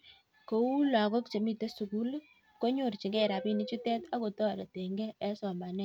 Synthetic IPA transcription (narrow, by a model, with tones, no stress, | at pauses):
ko˦u˦la˨kɔ˦kt͡ʃe˨mi˦te˦su˨ku˦l | ko˦ɲo˦˨rt͡ʃi˨ŋɡɛ˦˨ɾa˨pi˦ni˦t͡ʃu˦tɛ˦ta˦ko˨tɔ˦˨ɾe˨te˨ŋɡɛː˦sɔ˨ma˨nɛ˦